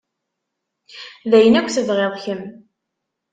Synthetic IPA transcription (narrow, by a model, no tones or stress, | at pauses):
ðæjənækʷːθəðʁeðˤçəm